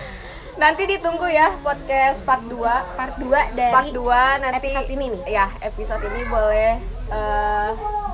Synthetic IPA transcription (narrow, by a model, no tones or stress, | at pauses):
nant̪idit̪uŋɡujapɔd̚kɛspat̪̚duapaduadapat̪̚duanat̪iɔininijaepisot̪inibolɛhə